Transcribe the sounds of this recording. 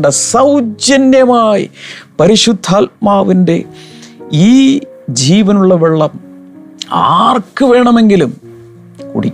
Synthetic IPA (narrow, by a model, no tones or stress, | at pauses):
ɖɐsɐwd͡ʑjɐnjɐmaːjḭpɐɾiʂud̪ʱːaːlmaːʋinde̞̰ | iː | d͡ʑiːʋɐnuɭːɐʋeɭːɐm | a̰ːrkɨʋe̞ːɳɐme̞ŋɡilum | kṵɽi